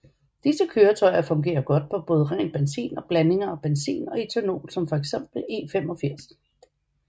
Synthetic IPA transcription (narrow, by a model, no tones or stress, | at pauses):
d̥isəkʰøːɐt͡sʰɒ̽ɪɐfɔ̽ŋɡ̥e̝̰ːɐɡ̥ɒ̽d̥̚pʰɒ̽b̥ɔ̽ːð̞ˠəʁɛ̰ːnb̥ensḭːnɒ̽b̥læne̝ŋɐɒ̽b̥ensḭːnɒ̽et͡sʰæno̝̰ːlsɒ̽mfɒ̽eɡ̥sem̰b̥l̩e̝ːfem̰ɒ̽fiɐ̰s